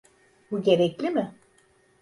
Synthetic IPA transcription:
buɟe̞ɾɛclʲimɪ

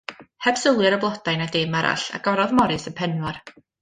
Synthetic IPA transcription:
hɛb̥səlˠjɛɾəblˠɔd̥ajnadeːmaɾʔa̰ɬa̰ɡ̥ɔɾɔðmɔɾɨsənpʰɛnwɔr

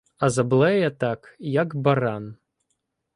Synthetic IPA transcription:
ɐzɐblˠɛjɐt̪akjakbaɾan

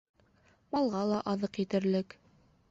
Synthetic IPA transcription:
mɑlˠʁɑlˠɑʔɑðɤqjɘt̪ɘ̆ɾlɘk

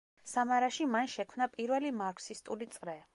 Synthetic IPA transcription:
samaɾaʃimanʃɛkʰmnapʼiɾvɛlimaɾkʰsist̪ʼulit̪sʼɾɛ

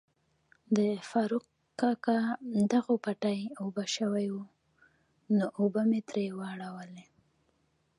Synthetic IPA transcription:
d̪əfɑɾuq | kːɑkad̪aɣopaʈajobaʃəwajwu | noʔobamet̪ɾewəaɽawəle

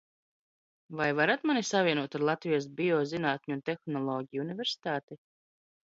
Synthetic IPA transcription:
vajvaɾat̪manisavʲiɛnuɔt̪aɾlˠat̪vijɔs̬bʲiɔzinaːt̪ʲɲunt̪exnɔlˠɔːɡʲijunivʲeɾsi̥t̪aːt̪i

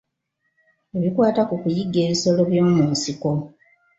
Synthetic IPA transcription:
eβikwaːtakukujiɡːe̞ːβiso̞lo̞βjo̞ːmuːnsiko̞

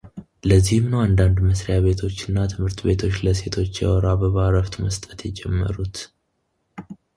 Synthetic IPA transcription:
ləzːihɨmnəwand̪and̪məsɾeaβe̞t̪ʰo̞t͡ʃːɨnːat̪ʰɨmhɨɾt̪ʰbe̞t̪ʰo̞t͡ʃːləse̞t̪ʰo̞t͡ʃːjɛ̰wɔɾabəβaɾəft̪ʰʼməst̪ʼə̥t̪jɛd͡ʒɛmːə̰ɾut̪

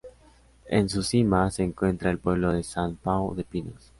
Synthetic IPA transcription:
ḛns̬usimase̞ːŋkwe̞nt̪ɾaelpwe̞β̞lo̞ðe̞sanpawðe̞pino̰s

